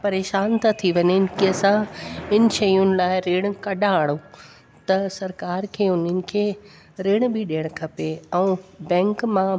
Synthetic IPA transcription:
pɐɾeːʃaːnt̪ʰat̪ʰiʋɐɲɪnkesãɪn̆ʃɐjʊnɪ̆laːɪɾeːɽ̃kɐɗãaːɽ̃ũ | t̪ɐsɐɾkaːɾkʰeːʊnənɪ̆kʰeː | ɾeːɽ̃bʱɪɗiːəɽ̃kʰɐpeɛ̃bɛ̃ːŋkmã

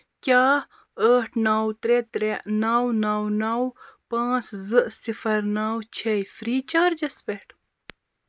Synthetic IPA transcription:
kʲaː | əːʈʰnaːwt̪ɾet̪ɾenaːwnaːwnawpãːt͡szɨʔsifɐɾnaːwt͡ɕʰejfɾiːt͡ɕaːɾd͡ʑɐspeʈʰ

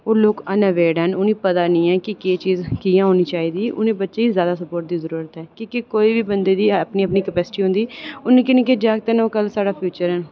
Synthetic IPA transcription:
oːloːkənəʋeːɖɦənʊniːpət̪aːnĩːɛːkɪkeːt͡ʃiːzkiːjãːɦoːniːt͡ʃaːiːd̪iːʔʊnĩːbətːʃeːiːzjaːd̪aːsəpoːɾʈ̚d̪iːzəɾuːɾət̪ɦɛːkõːkikoːiːʋiːbənd̪eːd̪iːpniːəpniːkəpɛːsɪ̥ʈiːɦʊ̃nd̪iːʊnẽːkɪnẽːked͡ʒaːɡ̚t̪eːnoːkəlsaːɽaːpʰjuːt͡ʃəɾɦən

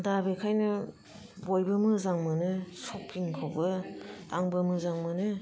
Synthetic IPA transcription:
dabekʰajnɯ | bojbɯmɯzaŋmɯnɯsok̚pʰiŋkʰɯwbɯtaŋbɯmɯzaŋmɯnɯ

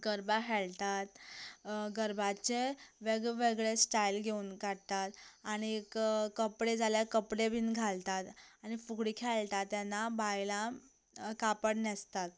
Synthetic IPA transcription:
ɡəɾbakʰɛlt̪at̪ | ɡəɾbat͡ɕeʋeɡɭʋeɡɭesʈailɡʱeunɡʱaɽt̪at̪aɽ̃ikkəpɽed͡zaljakəpɽebiːnɡʱalt̪at̪aɽ̃ifuɡɽikʰɛlt̪at̪ːjanːabajla | kapəɽnest̪at̪

